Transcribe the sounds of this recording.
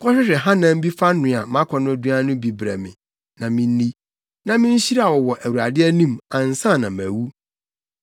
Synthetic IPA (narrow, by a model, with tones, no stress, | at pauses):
kʰɔ˦ɕᶣɪ˦ɾɪ˨ɦã˦nã˦m̩˦bi˦fa˦nʊ̃˨a˨˦mã˦kʰɔ˨nʊ̃˦˨du˦a˦nʊ̃˦bi˨bɾæ̰˨mɪ̰̃˨ | nã˨mĩ˦n˦nĩ˦ | nã˨mɪ̃˦n̩˦ɕi˦ɾa˨wɔ˨wɔ˨ʔæ˨wu˨ɾa˨dɪ˦ɛ˦nũ˦mã˨n̩˨sã˦˨nã˨mæ˨wu˦